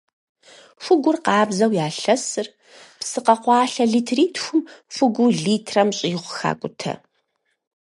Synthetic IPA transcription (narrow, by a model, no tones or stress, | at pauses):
fʷʊɡʷʊrqɑːbzɐwjaːɬɐsɨr | psɨqɐqʷɑːɬɐɮiːtʰriːtʰxʷʊmfʊɡʷʊɮiːtʰrɐmɕʼiːʁʷʊxa̰ːkʷʼʊtʰɐ̰